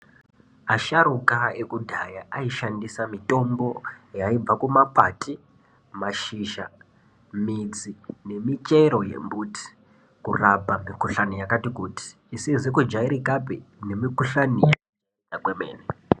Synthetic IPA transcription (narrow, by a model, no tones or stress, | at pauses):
aʃaɾukaekudʱajaaiʃandisamito̞mbo̞jaib͡vakumapa̰tʰi | maʃiʃa̰ | mid͡zine̞mit͡ʃe̞ɾo̞jḛmbuti̥ | kurapamikuɬanijakatikuti̥ːsizekud͡ʒaiɾikapene̞mikuɬanija | i | takwemḛːne